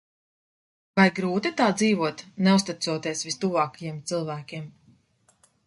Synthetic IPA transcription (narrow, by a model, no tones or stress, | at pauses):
vajɡɾuːt̪it̪aːd̪ziːvuɔt̪nɛust̪it̪suɔt̪iɛsvist̪uvaːkajiɛmt̪sɨlˠvæːkʲim